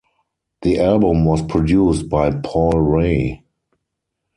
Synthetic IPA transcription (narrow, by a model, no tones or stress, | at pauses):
ðiʔalbʊ̃mwɔspʰɹɔdjuːst̚baɪpʰɔlɹeɪ